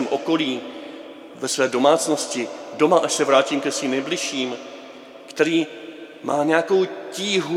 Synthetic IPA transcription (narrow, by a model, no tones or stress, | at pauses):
ɛmʔo̞ko̞liː | vɛsvɛːdo̞maːt͡sno̞scɪdo̞maʔaʃsɛvɾaːciːmkɛsviːmnɛjblɪʃiːm | kt̪ɛɾiː | mʔa̰ːɲɛjako̞wciːɦu